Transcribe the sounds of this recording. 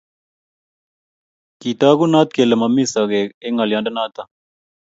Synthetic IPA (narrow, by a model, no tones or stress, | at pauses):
kit̪aːɡunaːt̪̚kelɐmɐmːisɐɡekeŋɐljãːnɖɐnaːt̪a